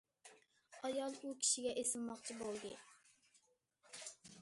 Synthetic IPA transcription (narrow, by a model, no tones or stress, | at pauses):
ɑjɑlˠukʲʰi̥ʃiɡʲɛʔesɪlˠmɑqt͡ʃʰibolˠd̪ɨ